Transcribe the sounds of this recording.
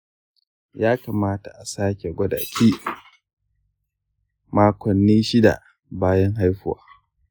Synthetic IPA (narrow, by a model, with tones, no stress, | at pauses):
jaː˦kaː˨maː˦ta˨ʔa˨saː˦kʲe˨ɡʷɐ˦da̰˨kʰʲiː˦ | maː˦kʷɔ˨nːiː˦ʃɪ˦da̰˨ | baː˦jɐ˦ŋɦa˦jɸʊ˦wa̰ː˦